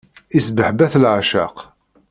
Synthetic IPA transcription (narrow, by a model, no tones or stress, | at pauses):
isbəħbæθlʕaʃa̰q